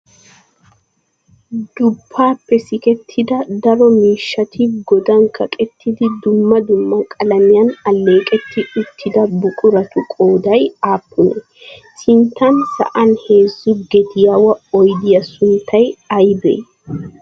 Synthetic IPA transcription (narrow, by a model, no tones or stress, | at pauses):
d̪̥ʊbːaːpːɛsɪkɛt̪ʰːɪd̪ɐd̪ɐɾɔmiːʃːɐt̪ʰiːfɡɔd̪ɐŋkɐkʼɛt̪ːɪd̪ɪd̪ʊmːɐd̪ʊmːɐkʼɐlɐmɪjɐnɐlːe̞ːkʼɛt̪ːɪʊt̪ʰːɪd̪ɐbʊkʼʊɾɐt̪ʊkʼoːd̪ɐjaːpːʊnɛ | sɪnt̪ɐnsɐ̰ʔɐnheːzːʊɡɛd̪ɪjɐwɐɔjd̪ɪjɐsʊnt̪ɐjɐjbɛ̰ː